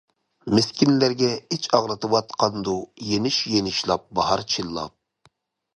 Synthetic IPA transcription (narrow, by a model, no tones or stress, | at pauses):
meskʲinlæɾɡʲɛet͡ʃʰɑʁɾɨt̪ʰɨwɑt̪qʰɑnd̪ujenɪʃjenɪʃlˠɑp̚bɑɦɑɾt͡ʃʰilˠːɑ̰p̚